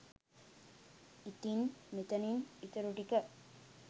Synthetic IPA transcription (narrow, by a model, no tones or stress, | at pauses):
it̪inmit̪ɐninit̪ɐɾuʈikə